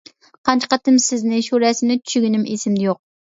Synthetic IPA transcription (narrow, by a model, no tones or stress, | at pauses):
qʰɑnt͡ʃʰqɑt̪ɨmsɪznɪʃuɾɛsɪnɪt͡ʃʰy̥ʃyɡʲinɪmesɪmd̪ɪjoq̚